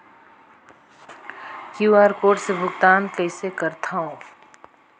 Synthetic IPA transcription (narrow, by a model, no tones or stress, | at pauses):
kjuːaːɾkoːʈsebʱʊɡt̪aːnkəɪsekəɾt̪ʰaõ